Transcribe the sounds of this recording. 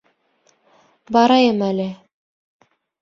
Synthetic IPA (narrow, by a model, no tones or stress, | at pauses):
bɑɾɑjɤmælɘ